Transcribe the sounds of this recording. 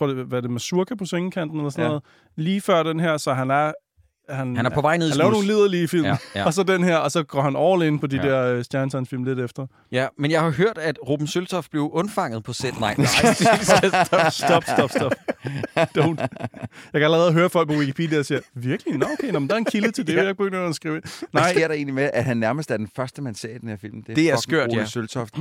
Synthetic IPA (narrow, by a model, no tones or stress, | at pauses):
ʁɔ̰ɐ̰deʋæde̝mæsuɐkʰæpʰɒ̽sʋeŋəkʰæn̰d̥n̩elɐsɔnɔðˠ | liːfɶɐ̰d̥enɦeɐ̰sɒ̽ɦænæɐ | hænhænæɐpʰɒ̽ʋɑ̈ɪ̰neðˠnlɛːʊɐno̝ːn̩liðˠɐliːfil̰m̩ɒ̽sɒ̽denɦeɐ̰ɒ̽sɒ̽ɡ̥ɒ̰ːhænɒʊɐleenəpʰɒ̽d̥id̥ɛɐ̰øsd̥jæɐnt͡sʰɑnfil̰mle̝ɾ̥efd̥ɐ | jæmenjɑ̈ɪhɑ̈ɦøɐ̰d̥æd̥ʁoːb̥n̩sølt͡sʰɒfb̥le̝ʊʔɔ̽nfɑ̈ŋ̰ð̩ˠpʰɒ̽sed̥nɑɪ̰̥sd̥ɒsd̥ɒb̥sɒbd̥ɒ̽fd̥oʊndjɑkææləʁɛːð̞̩ˠɦøːɐfɒlɡ̚pʰɒ̽wikʰipʰiːdiɒsiːɐʋiɐɡ̥linɑokʰeɪnɒmnd̥ɑ̈ɐe̝nkʰilət͡sʰe̝ld̥ejak̚b̥øɡønsɡ̥ʁiːʊe̝nnɑɪsɡe̝ɐ̰ɾɑ̈e̝̰ːnlimeʔæ̥hænːæɐməsd̥æɐd̥enfɶɐsd̥əmænsɛ̰ːid̥enheɐ̰fil̰mn̩d̥e̝d̥e̝æɐsɡ̥øɐ̰d̥sølt͡sʰɒfd̥